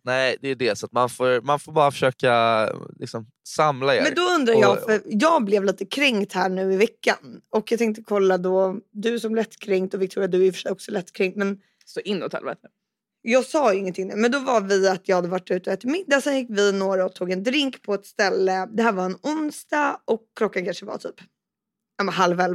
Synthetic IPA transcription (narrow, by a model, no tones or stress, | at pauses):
nɛɪd̪ɛjd̪ɛsɔt̪manfoːɾmanfoːɾbɑːɾafœ̥ʂøːkalɪ̰ksɔm | samlaḛmɛnd̪ɔɵnd̪ɾajɑːfœɾjɑːɡblɛvliːt̪əkʰɾɛŋkt̪hæːɳʉ̟ːɪvɛkːanɔkjɑɡt̪ʰɛŋk̚t̪əkʰɔlːad̪ɔd̪ɵsɔmlɛt̪ːkʰɾɛŋkt̪ɔvɪk̚t̪ʰuːɾad̪ɵæɾjʏfœʂɛjɔksɔlɛt̪ːkʰɾɛŋkt̪mɛn | sɔʔɪnːɔ̰t̪ʰɛ̰lbɛ̰t̪ə | jɑːɡsɑːjɪŋːənt̪ʰɪŋd̪ʉːmɛnd̪ɔvavɪat̪jɑːhad̪əvaʈːʉ̟ːt̪əɔɛːt̪ːɪɾmɪd̪ːasɛnjɪkːvɪnoːɾaɔt̪ʰuːɡɛnd̪ɾɪŋkpʰɔɛt̪st̪ɛlːəd̪ɛhæːɾvaɾɛnʊnsd̪ɑʔɔkʰːlɔkːankʰanʂəva̰t̪ʰy̰ːp | amɛnɦalvɛl